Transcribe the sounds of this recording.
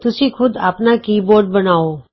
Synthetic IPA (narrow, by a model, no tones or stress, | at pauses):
t̪ʊsĩkʰʊd̪a̰ːpnakiːboɾɖ̚bənaːo